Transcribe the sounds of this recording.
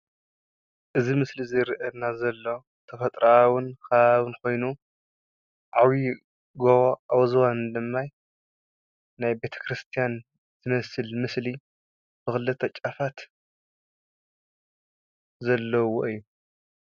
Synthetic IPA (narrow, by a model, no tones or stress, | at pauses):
ʔɨzimɨslizɨɾʔɐnazɐlːo̞ | t̪ʰɐfɐt̪ʼɾawɨnkʰaββɨnkʰo̞jnu | ʕawi | ɡoβoʔawzwand̪ɨmːaj | najbe̞t̪ʰɐ̥kɾɨst̪ʰijan | zɨmɐsɨlmɨsli | b̥ɨxɨlɨt̪ʼʰɐt͡ʃʼafat̪ | zɐlːɐwoʔɨjːu